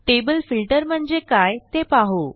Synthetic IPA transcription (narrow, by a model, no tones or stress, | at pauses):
ʈebəlfilʈəɾm̤əɳd͡zekajt̪epaɦo